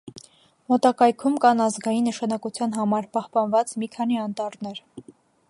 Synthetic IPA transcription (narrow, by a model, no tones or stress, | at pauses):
mɔt̪ɑkɑjkʰumkɑnɑzɡɑjinːəʃɑnɑkut͡sʰjɑnɦɑmɑɾpɑhpɑnvɑt͡smikʰɑniɑnt̪ɑɾnɛɾ